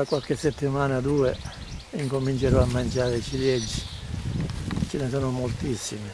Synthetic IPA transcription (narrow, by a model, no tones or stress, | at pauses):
akwalkɪsːɛt̪ːimaːnad̪uːɛ | iŋkomint͡ʃɛɾɔamːant͡ʃaːɾeit͡ʃiljɛd͡ʒːi̥ | t͡ʃɪnɛsɔnʊmolt̪isːimɪ